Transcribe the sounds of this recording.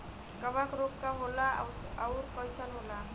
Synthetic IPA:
ɡʌβakɾokːaɦola | awɾkʌjsalɦola

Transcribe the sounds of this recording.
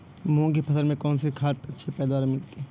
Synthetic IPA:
mũkepʰɐt̪əɾmẽkɔːnsekʰaːʈɐtːʃʰepɛːd̪waːɾemɪlt̪e

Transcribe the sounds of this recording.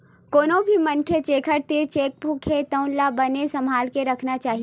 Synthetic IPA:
koːnõbʱimɐnkʰet͡ʃeːkʰəɾt̪et͡ʃeːk̚bʱukʰet̪ə̃ʊ̃nlabɐnesɐmɦaːlkeɾɐkʰnat͡ʃaːɦi

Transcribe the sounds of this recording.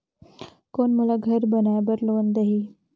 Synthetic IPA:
konmulaɡʱəɾbənabəɾlond̪əɦiː

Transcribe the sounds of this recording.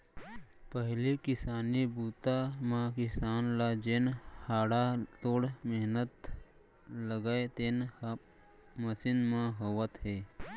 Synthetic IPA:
pəɦlikɪsaːnibuːt̪amãkɪsaːnlad͡ʒeːnhaːɽat̪oːɽmeɦnət̪ | ləɡaːet̪eːn | məsɪnmãɦoʋət̪ɦeː

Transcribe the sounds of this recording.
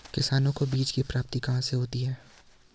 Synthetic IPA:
kɪsaːnõkobiːt͡ʃkipɾaːp̚t̪ikɐɦãseɦoːt̪iɦɛː

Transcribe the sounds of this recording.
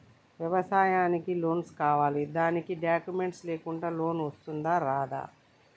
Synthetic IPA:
ʋjɛʋɐsaːjaːnikilo̞ːnskaːʋaːlid̪aːnikiɖjaːkjume̞ɳʈsleːkuɳɖaːlo̞ːnʋɐst̪und̪aːɾaːd̪a̰ː

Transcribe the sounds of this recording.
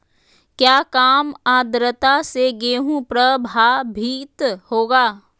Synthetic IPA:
kjaːkaːmaːd̪ɾət̪aseɡeːɦũpɾəbʱaːbʱiːt̪hoːɡaː

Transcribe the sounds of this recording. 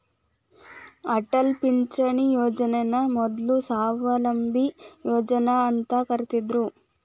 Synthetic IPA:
ɐʈɐlpiɲt͡ʃɐɳijoːd͡ʒɐnenɐmɔd̪lusaːʋɐlɐmbʱijoːd͡ʒɐnɐːnt̪ɐkɐɾit̪id̪ɾu

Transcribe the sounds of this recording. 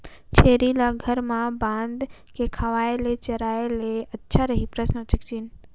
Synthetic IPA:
t͡ɕʰeːɾilaɡʱɐɾmãbãːnd̪ | kʰekʰaʋaːelet͡ɕɐɾaːeleɐtːʃʰaɾɐɦipɾəsnət͡ɕɐkt͡ɕinɪ̆

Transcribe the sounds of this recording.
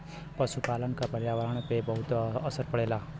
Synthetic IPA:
pəʃupaːlənkapəɾjaːʋəɾəɳ̃pebəɦʊt̪əsəɾpəɽeːlaː

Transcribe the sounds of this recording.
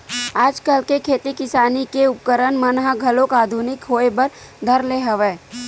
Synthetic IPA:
aːd͡ʒkəlkekʰeːt̪ikɪsaːnikeʊp̚kəɾənmɐnɦaɡʱɐlokaːd̪ʱunɪkɦoːebəɾ | d̪ʱɐɾleɦɐʋeː

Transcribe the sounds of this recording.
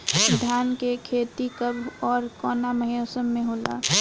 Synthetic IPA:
ɾɪd̪ʱaːnkekʰeːt̪ikəbʱɔːɾkɔːnaməɦijosəmːẽɦoːla̰

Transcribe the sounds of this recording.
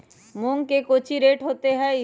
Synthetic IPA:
mʊ̃ŋɡkekoːt͡ʃʰiɾeːʈɦoːt̪eɦɛ̃ɪ

